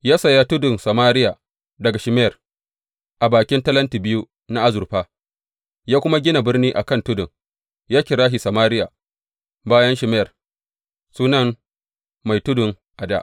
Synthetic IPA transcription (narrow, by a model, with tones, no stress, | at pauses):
jaː˦sɐ˨ja˦tʊ˦dʊ˨nsa˨maː˦ɾɪ˦ja˨ | dɐ˨ɡa˨ʃɪ˨mɛ˦ɐ˨r | ʔa˨baː˨kʲɪ˦ntɐ˦lɐ˦nti˨bɪ˦ju˦ | na˦ʔa˦zʊ˨rɸaː˦ | jaː˦kʷʊ˦ma˦ɡʲɪ˦na˨bɪ˦rniː˦ʔa˨kɐ˦˨ntʊ˦dʊ˨ŋ | jaː˦kʲɪ˨ɾaː˦ɦi˨sɐ˨maː˦ɾɪ˦ja˨ | baː˦jɐ˦nʃɪ˨mɛ˦jɐ˨r | suː˦nɐ˦n | ma˨jtʊ˦dʊ˨ŋ | ʔa˨da̰˦˨ʔ